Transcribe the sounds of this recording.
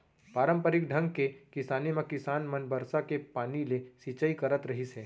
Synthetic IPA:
paːɾə̃mpəɾɪk̚ɖʱɐ̃ŋɡkekɪsaːnemãkɪsaːnmɐnbɐɾsakepaːnilesit͡ʃəikɐɾət̪ɾɐɦisɛː

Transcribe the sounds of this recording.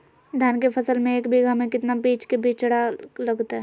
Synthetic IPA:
d̪ʱjaːnkepʰɐsəlmẽeːkbʱiɡamẽkɪt̪nabiːt͡ʃkebiːt͡ʃt͡ʃɐɽ̤alɐɡt̪aɦɛ

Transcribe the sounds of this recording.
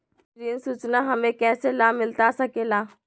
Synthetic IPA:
ɾiənsuːt͡ʃnaɦɐmẽkɛːselamɪlt̪asɐkeːlaː

